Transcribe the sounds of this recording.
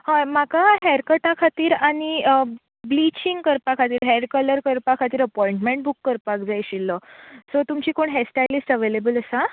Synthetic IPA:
hamakaɦɛɾkəʈakʰat̪iːɾaɽ̃i | blit͡ɕiŋɡkəɾpakʰat̪iːɾɦɛɾkələɾkəɾpakʰat̪iːɾəpɔiɳʈmeɳʈ̚bʱukːəɾpakd͡zajɕilːəsɔt̪umt͡ɕiːkoɳɦɛsʈajlisʈəʋelebələsa

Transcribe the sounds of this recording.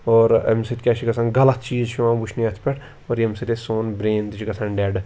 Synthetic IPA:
oːɾɐ̰msit̪ʲkʲaːt͡ʃʰikɐsʰanɡɐlɐt̪t͡ʃiːzt͡ʃʰiãːbut͡ʃʰniɐt̪ʰpʲɛʈʰ | oːɾjɐmsit̪esoːnbɾeːnt̪it͡ʃʰikɐsanɖɛɖ

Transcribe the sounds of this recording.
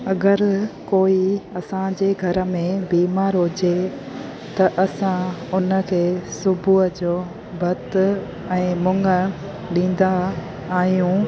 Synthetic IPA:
ɐɡəɾkoːiɐsãd͡ʑeːɡʱɐɾə̆mẽbiːmaːɾɦʊd͡ʑe | t̪ɐʔɐsãʊnə̆kʰeːsʊbʱuɦəd͡ʑoː | bʱɐt̪ | ɛ̃ːmʊŋə̆ | ɗĩːn̆d̪aː | ɦijũ

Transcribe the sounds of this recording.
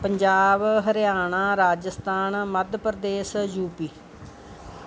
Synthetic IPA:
pəɲd͡ʒaːbɦəɾɪjaːɳãːɾaːd͡ʒəst̪aːnməd̪ʱpəɾd̪eːsjuːpiː

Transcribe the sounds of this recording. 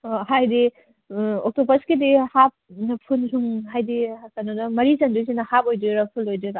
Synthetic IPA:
ohajdi | ok̚tobɐskedihap̚nɐpʰunsʰuŋɦajdiakanodɐmɐɾisɐndusinɐhapojdiɾɐpʰulojdiɾa

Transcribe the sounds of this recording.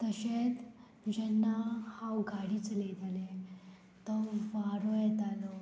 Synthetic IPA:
t̪əɕet̪ | d͡ʑɛnːahawɡʱaɽiːt͡səled̪ʱale | t̪ɔʋaɾojɛt̪alɔ

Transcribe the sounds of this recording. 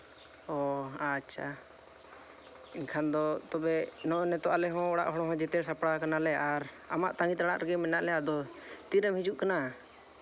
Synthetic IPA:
ɔatːʃʰa | iɲkʰand̪ɔt̪ɔbɛnɔʔɔnɛt̪ɔʔalɛɦɔ̃ɔɽa̰ʔɦɔɽɔ̃ɦɔ̃d͡ʒɛt̪ɛɾsapɽakanalɛʔaɾ | a̰maʔt̪aŋɡit̪ɾaɽaʔɾɛɡɛmɛnaʔlɛad̪ɔ | t̪iɾəmhid͡ʒuʔkana

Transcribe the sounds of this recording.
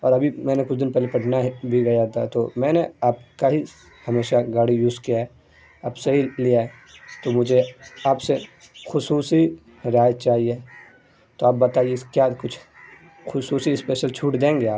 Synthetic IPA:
ɔːɾɐbʱimɛ̃ːnekʊt͡ʃʰd̪ɪnpɛɦlepɐʈʰnaɦbʱiɡɐjat̪ʰat̪omɛ̃ːneaːp̚kaɦi | hɐmeːʃaɡaːɽijuːskijaɦɛ | aːpsɐɦilijaɛ | t̪omʊd͡ʒʱeaːpse | xʊsuːsi | ɾaːjət̪̚t͡ʃaːɦie | t̪oaːp̚bɐt̪aːiekjakʊt͡ʃʰ | xʊsuːsispeːʃəlt͡ʃʰuːʈd̪ẽːŋɡeaːp

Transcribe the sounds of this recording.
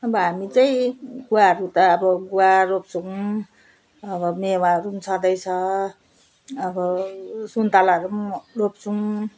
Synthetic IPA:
ʌbʌɦamit͡sʌĩɡuaɦɾut̪ʌːbʌɡuwaɾop̚t͡sʰu | ʌbʌmewaɾunt͡sʰʌd̪ʌjt͡sʰʌ | ʌbʌsunt̪alaɦʌɾumurop̚t͡sʰu

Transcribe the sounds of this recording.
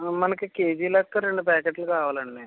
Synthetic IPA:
mɐnɐkekeːd͡ʒiːlɐk̚k̪ːɐɾeɳɖupɛːkeʈlukaːʋaːlɐɳːe

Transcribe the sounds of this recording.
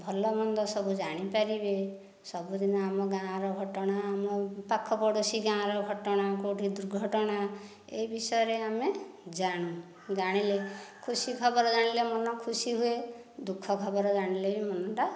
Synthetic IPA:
bʱɔlɔmɔnd̪ɔsɔbʱud͡ʒaɽ̃ipaɾibe | sɔbud̪inɔamɔɡãɾɔɡʱɔʈɔɽ̃aːmɔpakʰːɔpɔɽosiɡãɾɔɡʱɔʈɔɽ̃akoʈid̪uɾɡʱɔʈɔɽ̃a | ḛibisɔjɔɾeamed͡ʒaɽ̃ũ | d͡ʒaɽ̃ilekʰusikʰɔbɔɾɔd͡ʒaɽ̃ilemɔnɔkʰusiɦue | d̪ukʰːɔkʰɔbɔɾɔd͡ʒaɽ̃ilebimɔnɔʈa

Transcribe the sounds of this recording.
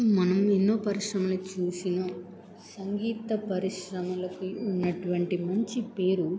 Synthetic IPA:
mɐnɐmenːo̞ːpɐɾiʂɾɐmɐlit͡ʃuːsinɐ | sɐŋɡiːt̪ɐpɐɾiʂɾɐmɐlɐkiunːɐʈuʋɐɳʈimɐɲt͡ʃipe̞ːɾu

